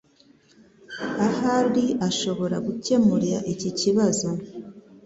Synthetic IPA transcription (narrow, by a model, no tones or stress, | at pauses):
ahaɾiʔaʃo̞βo̞ɾaɡuce̞muɾiɾa̰ʔiciciβazo̞